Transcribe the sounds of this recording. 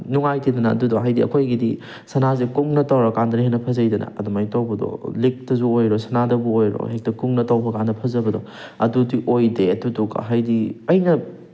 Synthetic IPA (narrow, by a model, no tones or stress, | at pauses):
nuŋajtidɐnɐ̰ːdudɔɦajdiɐ̰kʰojɡidi | sɐnazekuŋnɐtawɾɔkandɾiɦenɐpʰɐzɐjdɐnɐ̰ɐdumajtawbɐdɔ̰lik̚tɐzuojɾosɐnadɐbuojɾo̰hek̚tɐkuŋnɐtawbɐkandɐpʰɐzɐbɐdɔ | ɐdudiʔojdeɐtuduɡa̰ɦajdiɐjnɐ